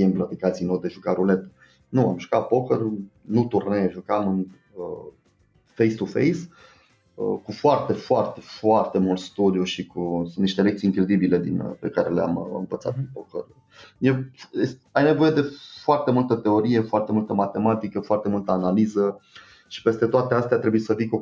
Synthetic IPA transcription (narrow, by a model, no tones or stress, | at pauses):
imblat̪ikat̪sijnod̪eʒukaɾule̞t̪ | nuamʒukat̪̚po̞kər | nut̪urnejʒukamɨn | ə | fejst̪ufḛjs | əkufoart̪e̞foart̪e̞foart̪e̞mult̪st̪ud̪iuʃikusunt̪iʃt̪elekt̪siːŋkɾed̪ibile̞d̪inpe̞kaɾe̞lea̰mɨ̰ɱvət̪sa̰t̪pinpokə̰r | jewjesajne̞vo̞je̞d̪e̞foart̪e̞mult̪ət̪e̞o̞ɾije̞foart̪e̞mult̪əmat̪e̞mat̪ikəfoart̪e̞mult̪əanalizə | ʃi̥pe̞st̪e̞t̪oat̪east̪eat̪ɾebuiesəviko